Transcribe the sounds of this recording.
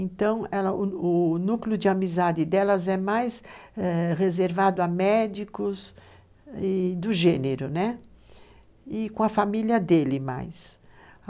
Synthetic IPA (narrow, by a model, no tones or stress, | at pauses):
ẽnt̪ɐ̃w̃ɛlɐʊʊnukljʊd͡ʒɪamizad͡ʒɪd̪ɛlɐzɛmajsɛʁezeɾvad̪ʊamɛd͡ʒikʊs | ɪd̪ʊʒẽneɾʊnɛ | ɪkõɐfamiljɐd̪elɪma̰js